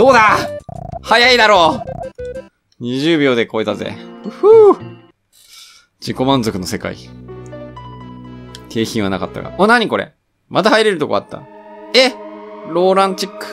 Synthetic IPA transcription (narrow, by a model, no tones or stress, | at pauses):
d̪̥o̞ːd̪a | hajaid̪aɾoː | ɲ̟iʑɨːbʲo̞ːd̪e̞ko̞it̪azḛɯhɯ | d͡ʑiko̞mãnzo̞kɯ̟no̞se̞ka̰ḭ | t̪ʰe̞ːçĩɰ̃βanakat̪ːa̰ɡa̰onaɲ̟iko̞ɾe̞̰ | mat̪ahaiɾe̞ɾɯ̟t̪okoa̰t̪ːa̰eɾo̞ːɾãɲt͡ɕikːɯ̥